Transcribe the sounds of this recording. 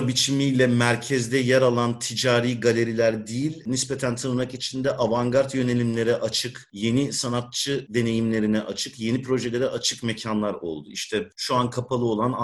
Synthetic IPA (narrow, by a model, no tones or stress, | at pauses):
bit͡ʃʰimijlʲɛmæɾcʰɛzd̪ɛjæɾalˠant̪ʰid͡ʒaːɾiːɡalʲe̞ɾilʲæɾd̪ijilʲnispe̞t̪ʰænt̪ʰanɯmakit͡ʃʰind̪ɛʔavaŋɡaɾt̪jø̞ne̞lʲimlʲe̞ɾɛʔat͡ʃʰɯkje̞nisanat̪̚t͡ʃʰɯd̪e̞ne̞jimlʲe̞ɾinɛʔat͡ʃʰɯkje̞nipɾo̞ʒed̪ed̪ɛʔat͡ʃʰɯkme̞cʰanlˠaɾo̞̰lˠd̪uiʃt̪ʰɛʃuankʰapʰalˠɯo̞lˠana